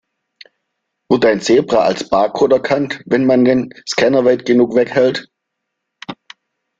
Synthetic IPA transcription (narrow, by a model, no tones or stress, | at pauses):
vɪtaɪnseːbʁaa̰lsb̥aːkʰoːtɛɐkʰantvɛnmandenskʰɛnɐvaɪtɡ̥ənuːkv̥ɛkhɛlt